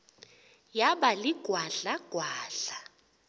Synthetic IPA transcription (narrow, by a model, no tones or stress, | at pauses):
jaɓaliɡ̥ʱwaɮaɡ̥ʱwaːɬa